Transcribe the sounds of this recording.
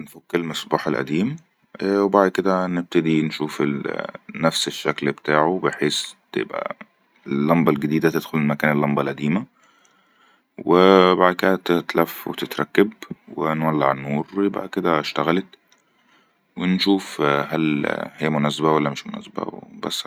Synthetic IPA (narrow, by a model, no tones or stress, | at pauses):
nfokːelmæsbuːħelʔæ̰d̪iːm | webaʕd̪̚ked̪æneb̚t̪ed̪inʃuːfḛlnæfseʃːæklbet̪aːʕobeħeːst̪ḛbʔæ̰ | lːɑmbɑlɡæd̪iːd̪æt̪ed̪̥xolelmækæːnelːɑmbɑlʔæd̪iːmæ | webaʕd̪̚ked̪æt̪et̪læfːwḛt̪et̪ɾˤɑkːeb̚wḛnwælːaʕanːuːɾˤwjebʔa̰ʕd̪̚ked̪æʃt̪æɣælet̪ | wenʃuːfhælhejːæmonæsbæwælːæmeʃmo̰næ̰ːsbæ̰bæ̰sː